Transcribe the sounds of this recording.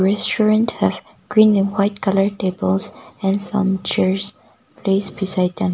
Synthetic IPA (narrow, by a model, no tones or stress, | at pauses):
ɹɛstɹɹə̃nthɨv | ɡ̥ɹĩnɨ̃nwaɪt̚kʰʌlə˞tebəlˠzɛ̃nsʌ̰̃mt͡ʃɛɹz | pʰleɪsbisaɪd̪̚ə̃n